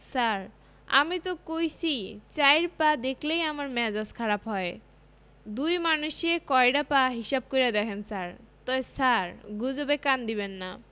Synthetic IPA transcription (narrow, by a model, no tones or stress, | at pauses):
saɾ | a̰mit̪okojsʰit͡ɕajɾpad̪ekʰlejamaɾmɛd͡ʑaskʰaɾapɦɔe | d̪ujmanuʃekɔejɖapaɦiʃab̚kojɾad̪ɛkʰensaɾt̪ɔesaɾɡud͡ʑobekand̪iβenːa